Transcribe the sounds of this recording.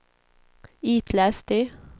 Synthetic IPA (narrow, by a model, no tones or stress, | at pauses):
iːt̪ʰlæst̪i